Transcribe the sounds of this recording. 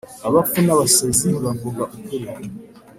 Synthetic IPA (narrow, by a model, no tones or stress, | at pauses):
aβafunaβaseziβaŋɡoɡaʔukuɾe